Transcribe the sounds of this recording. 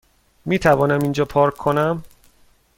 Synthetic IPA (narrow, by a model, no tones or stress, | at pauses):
miːt̪ʰævɒːnæmind͡ʒɒːpʰɒːɾkʰːonæm